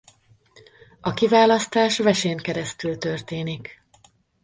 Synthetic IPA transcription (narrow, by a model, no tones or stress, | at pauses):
ɒkivaːlɒst̪aːʃvɛʃeŋkɛɾɛst̪ylt̪ø̞rt̪eːnik